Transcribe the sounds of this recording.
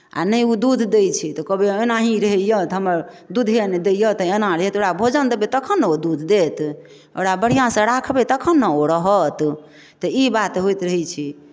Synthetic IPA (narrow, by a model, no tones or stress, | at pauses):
a̰nəjud̪ud̪ʱd̪ejt͡ʃʰit̪ɔkəbeenaɦĩɾəɦɛjət̪ɦəməɾ | d̪ud̪ʱned̪ejət̪əenãɾəɦɛt̪oɽabʱod͡ʒənd̪ebet̪əkʰənːəod̪ud̪ʱd̪et̪ | o̰ɽabəɽ̤ijãsə̃ɾakʰbet̪əkʰənːəoɾəɦət̪ | t̪ɔibat̪ɦojt̪ɾəɦɛt͡ʃʰi